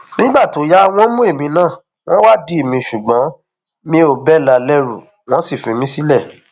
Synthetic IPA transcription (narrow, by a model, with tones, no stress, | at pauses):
nĩ˦ɡ͡ba˦˨to˨˦ja˦w̃ɔ̃˦mũ˦e˦˨mĩ˧nãː˦˨ | w̃ɔ̃˦wa˦˨di˦e˦˨mĩ˧ʃu˨ɡ͡bã˨˦ | mĩ˦o˨bɛ˦˨la˧lɛ˦ɾṵ˨ | w̃ɔ̃˦si˦˨fĩ˨˧mĩ˦si˦lɛ˦˨